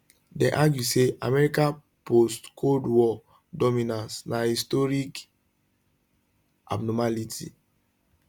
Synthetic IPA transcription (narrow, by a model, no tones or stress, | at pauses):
dɛ̃ʔaɡjusea̰mɛɾikã | postkʰodwɔ | dɔmĩnãnsnahistɔɾik | a̰bnɔmalitʰḭ